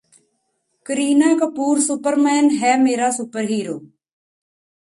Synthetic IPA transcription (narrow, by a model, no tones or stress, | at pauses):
kəɾiːnəːkəpuːɾsʊpəɾmɛːnɦɛːmeːɾaːsʊpəɾɦiːɾoː